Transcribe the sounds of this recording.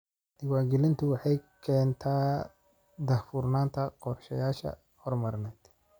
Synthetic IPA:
d̪ɪwɑːɡɛlɪnt̪ʰʊwɑħɑjkʰɛːnt̪ʰaː | d̪ɐhfʊrnaːnt̪ʰɐqɔrʃɐjaːʃɐ̰ | hɔrmɐɾnɛːd̪

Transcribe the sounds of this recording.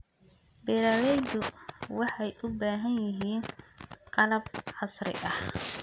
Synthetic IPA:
bɛːɾalɛd̪ʊwɑħɑjʔʊbaːɦɐnjɪɦiːnqʰɐlɐb̚ħɑsrɪ̰ʔɐh

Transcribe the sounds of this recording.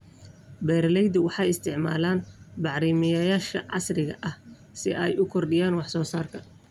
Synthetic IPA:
bɛːɾlɛjd̪ʊwɑħɑjɪst̪ʰɪʕma̰ːlaːnbɑʕɾiːmɐjɐjaːʃkʰɐʕɑ̰srɪɣɐ̰ʔɐh | sɪ̰ʔɛjʊkʰɔrɖɪjaːnwɑħsɔːsaːrkʰɐ

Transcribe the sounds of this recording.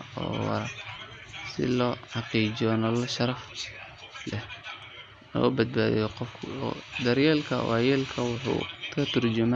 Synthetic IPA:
ɔ̰ːwɑ̰ɾɐ | sɪ̰lɔːħɑqiːt͡ʃɔnɐlɐʃɐɾɐf | lɛh | nɔ̰ːbɐd̪̚baːðɛ̰jɔqɔfkʰʊd̪ɐɾjɛːlkʰɐ̰wʔajɛːlkʰɐwʊħṵːkʰɐt̪ʰʊrd͡ʒʊmɛ

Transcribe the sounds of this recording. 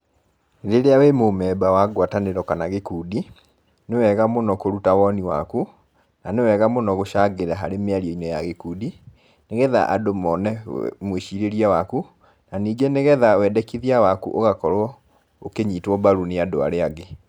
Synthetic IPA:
ɾeɾeawemomɛːbawaɡwataneɾɔkanaɣekuːdi | newɛɣamonɔkoɾutawɔniwa̰ku | nanewɛɣamonɔɣoʃaɡeɾaɦaɾemeaɾiɔinɔjaɣekuːdi | neɣɛða̰ʔa̰domɔnɛmweʃiɾeɾiawaku | naniːɡeneɣɛðawɛdɛkiðiawakṵʔoɣakɔɾwɔ | okeɲiːtwɔbaɾuneadoa̰ɾeaɡe

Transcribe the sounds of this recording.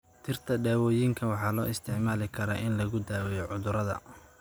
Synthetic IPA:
t̪ʰɪrt̪ʰɐɖaːwɔːjiŋkʰɐwɑħɑːlɔːɪst̪ʰɪʕmaːlɪkʰɐɾɐʔɪnlɐɣʊd̪aːwɛjɔʕʊðʊɾɐðɐ̰

